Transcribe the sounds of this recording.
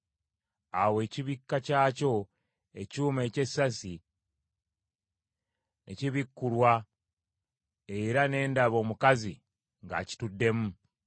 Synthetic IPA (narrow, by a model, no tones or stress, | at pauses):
awe̞ːciβikːacaːco̞ | e̞cuːmeːce̞sːasi | ḛciβikːulwa | e̞ɾane̞ːndaβo̞ːmukazi | ŋɡa̰ci̥tudːe̞mu